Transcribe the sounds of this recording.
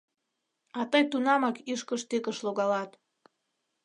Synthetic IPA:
ɑt̪əjt̪unɑmɑkiʃkəʃt̪ekəʃloɣɑlɑt̪

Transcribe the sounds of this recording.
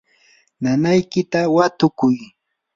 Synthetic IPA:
nanajkɪt̪awat̪ʊkʊj

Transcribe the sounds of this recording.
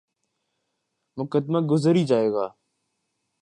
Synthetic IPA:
mʊkəd̪maːɡʊzəɾiːd͡ʒaːeːɡaː

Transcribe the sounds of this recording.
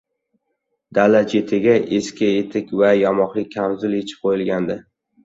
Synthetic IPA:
d̪alat̪jet̪ʰɪɡʲaʔeskʲae̞t̪ʰɪkʲvajɒmɒqlˠɪk̚ʲʰːamzʊlet͡ʃʰɪ̥p̚qʰojɪlɡʲand̪ɪ

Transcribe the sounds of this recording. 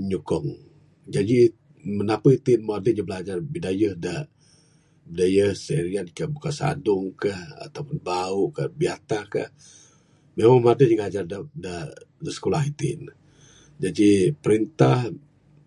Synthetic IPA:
ɲukɔŋ | d͡ʒadi | mənapəit̪inmoadəɲəbəlad͡ʒarbidajəhdə | bidajəhseɾiankəhbukasa̰dʊŋkəha̰t̪apʊnbauʔkəbiat̪ahkə̰h | memaŋmadəɲəɡad͡ʒardədədəsə̥kolahit̪ḭn | d͡ʒadipəɾint̪ah

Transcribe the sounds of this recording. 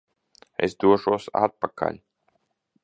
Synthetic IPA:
ḛsd̪uɔʒuɔsa̰t̪̚pakʰa̰lʲ

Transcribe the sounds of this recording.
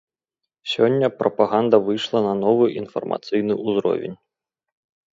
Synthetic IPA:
sʲɔnʲːɐpɾɐpaɣand̪ɐvɨjʂlˠɐnɐnɔvɨʔinfɐ̰rma̰t̪sɨjnɨʔuzɾɔ̰vʲḛnʲ

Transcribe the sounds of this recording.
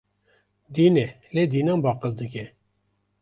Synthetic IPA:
d̪iːnɛ | led̪iːnɑmbɑːqəld̪ɨkʲɛ

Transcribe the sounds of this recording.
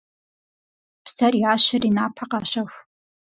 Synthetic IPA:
psɐrjaːɕɪriːnaːpʰɐqɑːɕɐxʷ

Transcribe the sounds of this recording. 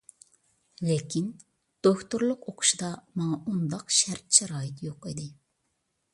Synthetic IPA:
lekʲin | d̪̥okt̪uɾlˠʊqoqʰʊ̥ʃid̪ɑmɑŋɑund̪ɑqʃæɾt̪̚t͡ʃʰɛɾɑːjɪt̪joqid̪ɪ

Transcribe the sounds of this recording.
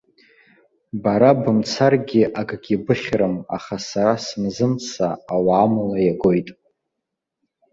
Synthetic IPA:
baɾabɨmt͡sʰarɡʲiʔaɡɡʲibɨχʲrɨma̰χasaɾasɨnzɨmt͡sʰaːwaːmalajaɡo̞jtʼ

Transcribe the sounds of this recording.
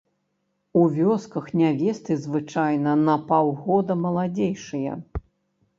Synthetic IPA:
uvʲɔskɐxnʲavʲɛst̪ɨzvɨt͡ʂajnɐnɐpawɣɔd̪ɐmɐlˠad͡zʲejʂɨjɐ̰

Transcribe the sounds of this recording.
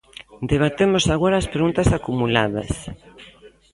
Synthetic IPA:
d̪eβ̞at̪emosaɣoɾaːspɾeɣunt̪ɐsakumulaðɐ̰s

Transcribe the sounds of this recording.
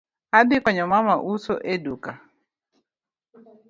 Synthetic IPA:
adɪkɔɲɔmamaʔuso̰ʔeduka

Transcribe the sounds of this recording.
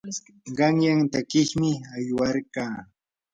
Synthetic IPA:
ɢɑŋjaŋt̪akɪχmɪajwaɾkaː

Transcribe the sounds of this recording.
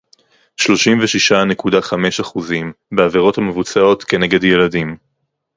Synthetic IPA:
ʃlo̞ʃimveʃiʃanekudaχame̞ʃaχuzimbeaveʁo̞thame̞vut͡sao̞tke̞ne̞ɡe̞dje̞ladim

